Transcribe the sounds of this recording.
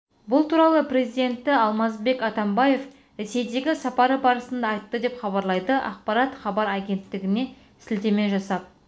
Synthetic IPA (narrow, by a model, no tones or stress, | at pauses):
bʊlˠt̪ʰuɾɑlˠəpɾe̞zijd̪e̞nt̪ːɪɑlˠmɑzbe̞kɑt̪ɑmbɑje̞f | ɾe̞se̞jd̪e̞ɡʲɪsɑpɑɾəbɑɾəsənd̪ɑːjt̪ːəd̪e̞pχɑβɑɾlˠɑjd̪əʔɑ̰q̚pɑɾɑt̪χɑbɑɾæɡʲe̞nt̪ːɪɡʲɪne̞ | sɪlt̪e̞me̞ʒɑsɑp̚